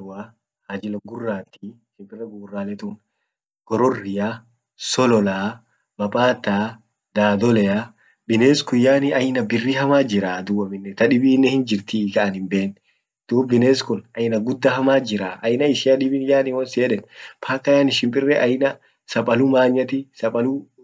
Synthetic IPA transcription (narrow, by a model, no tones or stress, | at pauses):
wa | hɐd͡ʒɪlɐɡʊrːaːt̪i | ʃɪmpʼɪrːɛɡʊɡrːaːlɛt̪uːn | ɡ̥ɔɾɔrːɪja | sɔlɔlaː | bɐpʼaːt̪ːaː | d̪̥aːd̪ɔlɛja | bɪneːskʊjːaːnɪʔɐjnɐbɪrːihɐmaːd͡ʒɪɾaːd̪uːɐmɪnːɛt̪ɐᶑɪbiːnːɛhɪnd͡ʒɪɾt̪ikɐʔɐnɪmbe̞ːn | d̪̥uːbbɪneːskʊnɐjɪnɐɡʊd̪ːɐhɐmaːd͡ʒɪɾaːʔɐjnɐɪʃɪjɐᶑɪbɪnjaːnɪwɐnseːᶑɛnpʰaːkːɐjaːnɪʃɪmpʼɪrːɛʔɐjnɐ | sɐpʼɐlʊmaːɲːɐt̪ɪsɐpʼɐlu